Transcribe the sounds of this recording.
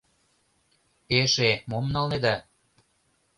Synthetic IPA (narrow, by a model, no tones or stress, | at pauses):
eʃemomnɑlned̪ɑ